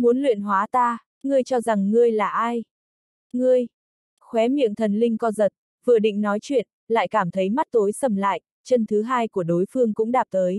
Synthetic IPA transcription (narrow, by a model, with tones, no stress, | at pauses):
mu˨˦ənlwḭ˧˨ənɦwaː˨˦t̪aː˧ | ŋɨ˧əjt͡ɕɔ˧za˨˩ŋːɨ˧əjlaː˨˩ʔaː˧j | ŋɨ˧əj | xwɛ˨˦mḭ˧˨əŋt̪ʰə˨˩nlï˧ŋ̟kɔ˧zə˨˩t̚ | vɨ̰˧˨ɗḭ̈˧˨ŋ̟nɔ˨˦jt͡ɕwḭ˧˨ən | la̰ː˧˨jkaː˧˩mt̪ʰə˨˦jma˦˥t̚t̪o˨˦jsə˧˩mla̰ː˧˨jʔ | t͡ɕə˧nt̪ʰɨ˨˦ɦaː˧jku˧˩əɗo˨˦jfɨ˧əŋkʊ̰˧˥ŋ͡mɗaː˨˩p̚t̪əː˨˦j